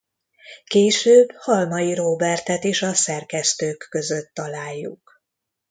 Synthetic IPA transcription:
keːʃøːbːhɒlmɒjiɾoːbɛrt̪ɛt̪eːʃɒsɛrkɛst̪øːkːøzø̞t̪ːɒlaːjːṵk

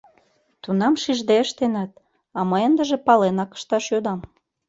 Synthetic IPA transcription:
t̪unɑmʃiʒd̪eəʃt̪enɑt̪̚ | ɑməjənd̪əʒepɑlenɑkə̥ʃt̪ɑʃjod̪ɑm

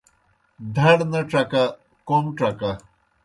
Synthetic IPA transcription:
d̪ʱɐɽnɐʈ͡ʂɐka | komʈ͡ʂɐka

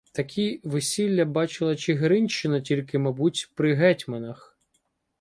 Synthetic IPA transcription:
t̪ɐkʲʰiʋɪsʲilʲːɐbɑt͡ʃɪlˠɐt͡ʃɪɦeɾɪnʲʃt͡ʃɪnɐtʲilʲkɪmɐbutʲpɾɪɦɛtʲmɐnɐx

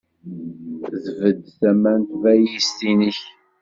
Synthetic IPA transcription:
ðvəd̪θæmænt̪væjist̪iniç

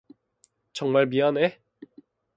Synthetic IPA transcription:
t͡ɕʌŋmaɭmiane

